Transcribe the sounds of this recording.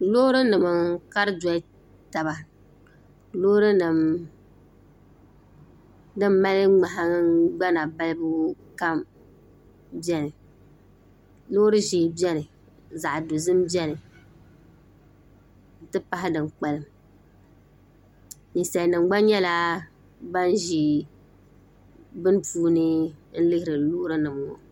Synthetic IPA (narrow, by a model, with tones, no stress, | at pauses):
lo˦ɾɨ˦nɨ˨mɨ˨ka˦ɾɨ˦d͡ʒɔ˨i˦ | ta˨ba˨ | loː˦ɾɨ˦nɨ˨m | dɨ˦mːa˦lɪ˦ŋ͡ma˨ɦa˨˦ɡ͡ba˦na˨ba˦lbʊ˦ | ka˦m | bɛ˦nɨ˨ | loː˦ɾɨ˦ʒi˨bi˦ɛ˦nɨ˨ | za˨ʔdʊ˨zɨ˦mbjɛ˦nɨ˨ | n̩˨˦tɨ˦pa˦ɦɪ˦dɨ˨mk͡pa˨lɨ˨m | ni˨sa˨lnɨ˨ŋ͡mɡ͡ba˦ɲɛ˦la˦ | ba˦n˦ʒi˨ | bɨ˦n˦puː˦nɨ˦n̩˦lɨ˦hɪ˦ɾɨ˨luː˦ɾɨ˦nɨ˨mwɔ̰˨